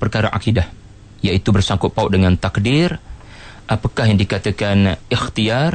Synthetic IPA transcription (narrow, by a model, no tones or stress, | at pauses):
pərkaɾaʔa̰kidah | jait̪ubərsaŋkʊʔ̚paʊʔ̚dəŋant̪akdɪr | ʔapakaɦjaŋdikat̪akanɪxt̪iar